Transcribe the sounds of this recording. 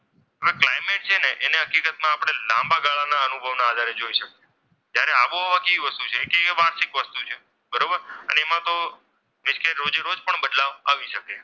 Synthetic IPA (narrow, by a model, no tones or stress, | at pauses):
ɦəʋeklajmeʈ̚t͡ʃʰeneʔeneɦəkikət̪mãːpɽ̃elãmbaɡaɭanaənubʱəʋnaːd̪ʱaɾed͡ʒoiʃəke | d͡ʒjaɾeaʋuɦoʋãkeʋiʋəst̪ut͡ʃʰekeʋaɾʃɪkʋəst̪ut͡ʃʰe | bəɾobəɾə̰neːmãt̪o | mɪʃkʰeɾːod͡ʒeɾod͡ʒpəɳbəd̪laʋaʋiʃəke